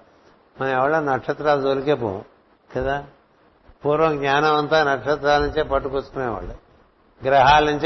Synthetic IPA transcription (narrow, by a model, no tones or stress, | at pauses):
mɐnɐɐʋɐɭɐnɐkʂɐt̪ɾaːld̪olkepo̰ | ket̪a | puːɾʋɐŋɡɲʲaːnɐʋɐnt̪anɐkʂɐt̪ɾaːlɐɲt͡ʃepɐʈːukot͡skuneʋɐ̰ɭe | ɡɾɐɦaːlɐɲt͡ʃ